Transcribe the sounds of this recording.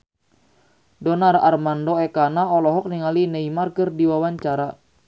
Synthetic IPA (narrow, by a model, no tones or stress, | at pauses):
dɔnara̰rmandoɛkanaɔlɔɦɔk̚niŋalineimarkɨrdiwawaɲt͡ʃaɾa